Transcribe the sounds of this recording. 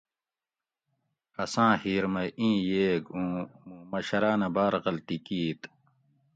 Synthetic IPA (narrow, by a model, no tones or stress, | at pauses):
ɐsãːhiːɾmɐjʔĩːjeːɡũːmũːmɐɕɐɾaːnɐbaːɾɣɐlt̪ikiːt̪